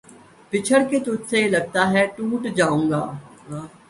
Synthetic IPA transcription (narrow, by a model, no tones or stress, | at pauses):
pɪt͡ʃʰəɽket̪ʊd͡ʒ̪selɐɡ̚t̪aɦɛʈuːʈd͡ʒaːũːŋɡa̰ːɦː